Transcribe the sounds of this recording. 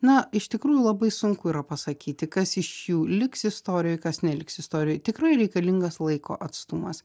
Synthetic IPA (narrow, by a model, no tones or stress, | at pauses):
nɐɪʃt̪ʲɪkɾuːjulˠɐbɐɪsʊŋkʊiːɾɐpɐsɐkʲiːt̪ʲɪkɐsɪʃjuːlʲɪksɪst̪oːɾʲɪjoːjkɐsnʲɛlʲɪksɪst̪oːɾʲɪjoːɪt̪ʲɪkɾɐɪɾʲɛɪkɐlʲɪŋɡɐslˠɐɪko̰ːʔɐt̪st̪ʊmɐs